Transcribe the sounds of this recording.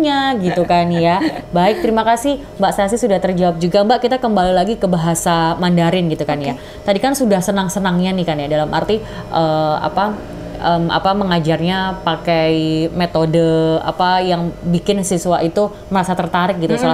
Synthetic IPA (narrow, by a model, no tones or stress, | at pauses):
ɲaɡit̪ukanjabaɪk̚t̪əɾimakasɪh | mbaʔsaas̬isudaht̪ərd͡ʒawap̚d͡ʒuɡambaʔkit̪akəmbalilaɡikəbaɦasamandaɾɪnɡit̪ukanja | t̪adikansudahsənaŋsənaŋɲanɪhkanjadalamʔa̰rt̪i | ʔəa̰pa | əma̰paməŋad͡ʒarɲapakajmet̪odəa̰pajaŋbikɪnsisuwaʔit̪u | məɾasat̪ərt̪aɾɪk̚ɡit̪usəla